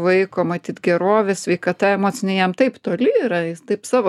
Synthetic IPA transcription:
ʋɐɪkoːmɐt̪ʲiːt̪ɡʲɛɾoːʋʲɛssʲʋʲɛɪkɐt̪ɐɛmoːt͡sʲɪnʲɛɪjɛmt̪ɐɪpt̪oːlʲɪiːɾɐɪt̪ɐɪpsɑːʋoː

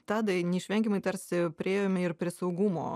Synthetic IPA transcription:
t̪ɑːd̪ɐnʲɛɪʃʲʋʲɛŋʲkʲɪmɐɪt̪ɐɾʲsʲɪpʲɾʲeːjomʲɛɪɾpʲɾʲɪːsɐʊɡuːmo̰ː

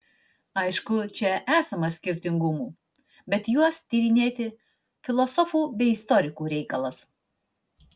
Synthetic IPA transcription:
ɐɪʃkʊt͡ʃʲɛʔæːsɐmɐsʲkʲɪɾʲt̪ʲɪŋɡʊmuː | bʲɛt̪juɔst̪ʲiɾʲɪnʲeːt̪ʲɪ | fʲɪlˠɔsɔfuːbʲɛɪɪst̪ɔɾʲɪkuːɾʲɛɪkɐlˠɐs

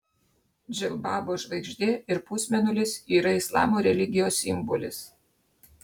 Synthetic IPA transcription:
d͡ʒʲɛlbɑːboːʒʋɐɪɡʒʲd̪ʲeɪɾpʊsʲmʲɛnʲʊlʲɪsiːɾɐɪslˠɑ̰ːmoɾʲɛlʲɪɡʲɪjoːsɪmbɔlʲɪs

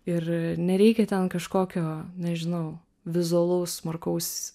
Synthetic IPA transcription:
ɪɾnʲɛɾʲɛɪkʲɛt̪ʲɛnkɐʃkoːkʲoːnʲɛʒʲɪnɐʊ | ʋʲɪzʊɐlˠɐʊsmɐrkɐʊsʲ

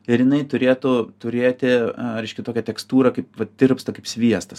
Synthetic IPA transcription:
ɪɾjɪnɐɪt̪ʊɾʲeːt̪ʊt̪ʊɾʲeːt̪ʲɪɾʲɛɪʃʲkʲɛt̪oːkʲɛt̪ʲɛkst̪uːɾɐkɐɪpʋɐd̪ʲɪrpst̪ɐkɐɪpsʲʋʲiɛst̪ɐs

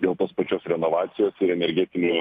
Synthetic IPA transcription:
d̪ʲeːlˠt̪oːspɐt͡ʃʲoːsɾʲɛnoʋɑːt̪sʲɪjoːsɪɾɛnʲɛɾʲɡʲɛt̪ʲɪnʲu

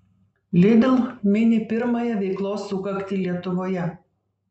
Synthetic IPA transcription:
lʲɪd̪ʲɪlˠmʲɪnʲɪpʲɪɾmɐjɛʋʲɛɪklˠoːsːʊkɐkʲt̪ʲiːlʲiɛt̪ʊʋoːjɛ

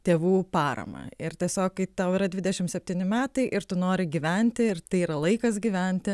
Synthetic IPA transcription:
t̪ʲeːʋuːpɑːɾɐ̰mɐ̰ɪɾt̪ʲiɛsʲoːkkɐɪt̪ɐʊiːɾɐd̪ʲʋʲɪd̪ʲɛʃʲɪmsʲɛpʲt̪ʲiːnʲɪmʲæːt̪ɐɪʔɪɾt̪ʊnoːɾʲɪɡʲiːʋʲɛnʲt̪ʲɪɪrt̪ɐɪiːɾɐlˠɐɪkɐsɡʲiʋʲɛnʲt̪ʲɪ

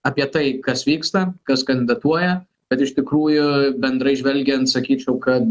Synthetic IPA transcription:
ɐpʲiɛt̪ɐɪkɐsʋʲiːkst̪ɐkɐskɐnʲd̪ʲɪd̪ɐt̪uɔjɛ | b̥ʲɛt̪ɪʃt̪ʲɪkɾuːjʊbʲɛnd̪ɾɐɪʒʲʋʲɛlʲɡʲɛnt̪sɐkʲiːt͡ʃʲɛʊkɐt̪

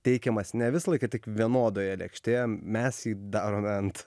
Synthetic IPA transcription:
t̪ʲɛɪkʲɛmɐsnʲɛʋʲɪsɐlˠɐɪkɐt̪ʲɪkʋʲiɛnoːd̪oːjɛlʲɛ̰kʃʲt̪ʲeːjɛmʲɛsjiːd̪ɑːɾoːmʲɛnt̪

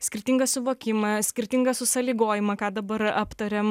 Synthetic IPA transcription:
sʲkʲɪɾʲt̪ʲɪŋɡɐssʊʋoːkʲɪmɐsʲkʲɪɾʲt̪ʲɪŋɡɐsʊsɐlʲiːɡoːjɪmɐkɑːd̪ɐbɐɾɐpt̪ɐɾʲɛm

